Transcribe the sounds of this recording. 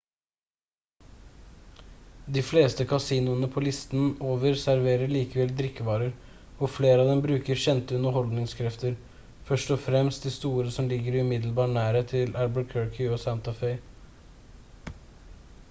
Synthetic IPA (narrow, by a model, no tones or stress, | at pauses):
d̪iːfleːst̪əkʰɑsiːnʊənəpʰoːlɪst̪noːʋəɾsæɾʋeːɾəɭiːkəʋɛld̪ɾɪkːəʋɑːɾəɾ | ɔfleːɾəɑʋd̪ɛmbɾʉːkəɾçɛnt̪əʉnəɾhɔld̪nɪŋskʰɾɛft̪əɾ | fœʂʈɔfɾɛmst̪̚d̪iːst̪uːɾəsɔmlɪɡəɾʉmɪd̪l̩bɑːʈɳæːɾət̪ʰɪlʔælbəkʰøːɹkʰʏoːsænt̪ɑfɛɪ